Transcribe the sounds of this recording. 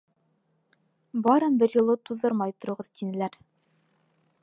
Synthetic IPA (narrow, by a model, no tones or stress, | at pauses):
bɑɾɤnbɘɾjŏlˠɤt̪uðɤɾmɑjt̪ŏɾŏʁɤðt̪inɘ̆læɾ